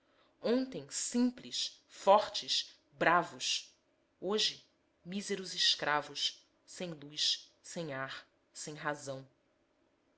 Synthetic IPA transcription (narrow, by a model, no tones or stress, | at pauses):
õnt̪ẽj̃sĩmpliʃfɔχt͡ʃɪs | bɾavʊʃ | oʒɪ | mizeɾʊzɪʃkɾʔavʊʃ | sẽj̃lujssẽj̃aχ | sẽj̃ɦazɐ̃w̃